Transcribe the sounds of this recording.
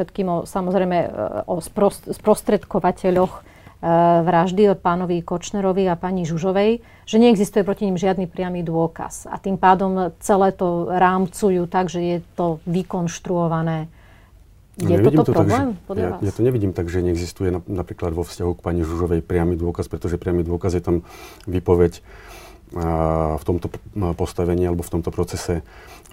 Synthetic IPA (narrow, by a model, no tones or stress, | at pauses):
ʃɛt̪kiːmɔsamɔzɾɛjmɛɔspɾɔsspɾɔst̪ɾɛt̪kɔʋacɛʎɔx | ʋɾaʒd̪iɔpaːnɔʋikɔt͡ʃnɛɾɔʋiapaɲiʒuʒɔʋɛj | ʒ̥ɛɲɛɛɡzist̪ujɛpɾɔciɲimʒɪad̪nipɾɪamid̪ʊɔka̰sa̰t̪iːmpaːd̪ɔmt͡sɛlɛːt̪ɔɾaːmt͡sujuːt̪aɡʒɛjɛt̪ɔʋikɔnʃt̪ɾuɔʋanɛː | jɛɛiːɔt̪ɔɾɔɡlɛːmpɔajat̪ɔɲɛʋiɟiːmt̪aɡʒɛɲɛɛɡzist̪ujɛnanapɾiːklad̪ʋɔfscaɦukpaːɲiʒuʒɔʋɛjpɾɪamiːd̪ʊɔkaspɾɛt̪ɔʒɛpɾɪamiːd̪ʊɔkazjɛt̪am | ʋipɔʋɛc | ft̪ɔmt̪ɔpɔst̪aʋɛɲiːalɛbɔft̪ɔmt̪ɔpɾɔt͡sɛsɛ